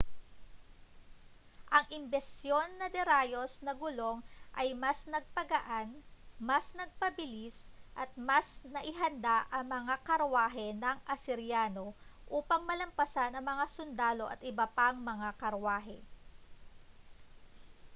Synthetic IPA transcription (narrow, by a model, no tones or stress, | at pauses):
ʔɐŋʔɪmbɛst̪jo̞nːɐd̪ɛɾaːjo̞snɐɡʊlo̞ŋʔɐjmɐsnɐɡ̚pɐɡɐʔanmɐsnɐɡ̚pɐbɪlisʔɐt̪̚mɐsnɐʔɪɦɐnd̪aʔɐŋmɐŋakɐɾwaːɦɛnɐŋʔɐsɪɾjaːno̞ʔuːpɐŋmɐlɐmpɐsanɐŋmɐŋasʊnd̪aːlo̞ʔɐ̰t̪ɪbɐpaŋmɐŋakɐɾwaːɦɛ̰